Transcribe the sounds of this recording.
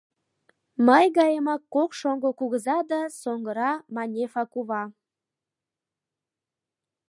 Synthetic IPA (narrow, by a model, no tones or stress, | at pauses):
məjɣɑjəmɑkːokʃoŋɡokuɣəzɑd̪ɑsoŋɡəɾɑmɑnʲefɑkuβɑ